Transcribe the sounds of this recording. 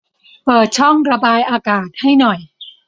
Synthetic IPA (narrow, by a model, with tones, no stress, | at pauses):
pɤː˨˩t̪̚t͡ɕʰɔ˥˩ŋɾa˧baː˧jʔaː˧kaː˨˩t̪̚ha˥˩jnɔ˨˩j